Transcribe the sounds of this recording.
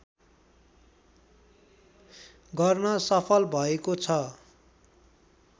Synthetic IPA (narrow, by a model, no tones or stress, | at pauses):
ɡʌrnʌsʌpʰʌlbʱʌekot͡sʰʌ